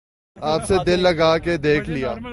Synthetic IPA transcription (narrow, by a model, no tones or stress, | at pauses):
aːpsed̪ɪlːɐɡaːked̪eːkʰlijaː